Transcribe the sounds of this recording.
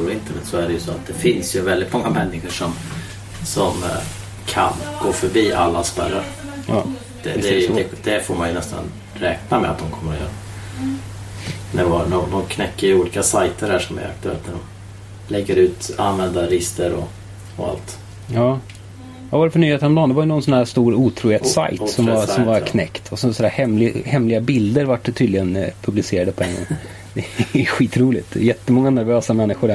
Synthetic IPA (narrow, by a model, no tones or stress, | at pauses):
ɾɔɪnt̪əɳɛt̪ːsɔæɾɛjɵsɔːa̰t̪̚d̪ɛfɪnsjɵvɛld̪ɪt̪mɔŋːamɛnːɪɧəʂɔm | sɔm | kʰa̰nɡ̥oːfœɾbiːʔa̰lːaspæ̰ɾːaɾ | d̪̥ɛd̪ɛd̪ɛd̪ɛfoːmanjɵnɛst̪a̰n | ɾɛːknamɛ̰at̪d̪ɔmkʰɔmːəɾj̰ɾ | næɾvɑnɔmd̪ɔmkʰnɛkːəɾjuːliːkasajt̪əɾhæːʂɔmæ̰ɾa̰k̚t̪ɵɛ̰lt̪næɖɔm | lɛɡːəɾʉːt̪a̰nvɛnd̪aɾɪst̪əɾɔ | ɔa̰lt̪ | jɑː | avaɾɛfœɳyːheːt̪ənɔmd̪ɔmd̪ɛvaɾjənɔnsɔnhæːst̪uːɾuːt̪ʰɾuːheːt̪ssa̰jtsɔmvasɔmvaɾkʰnɛkt̪ʰɔsɔsɔnd̪æːhɛmlɪhɛmlɪɡabɪld̪əɾvaʈːt̪ʰyːd̪lɪɡənpʰɵblɪseːɾad̪əpʰɔɛŋɡɔ̰ŋ | d̪ɛɛɧiːt̪ɾuːlɪt̪̚d̪ɛjɛt̪ːəmɔŋːanæɾvøːsamɛnːɪɧʊɾɖæ